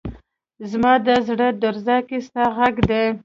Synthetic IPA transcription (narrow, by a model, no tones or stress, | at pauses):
zmɑd̪əzɽəd̪aɾzɑkist̪ɑɣaɡd̪e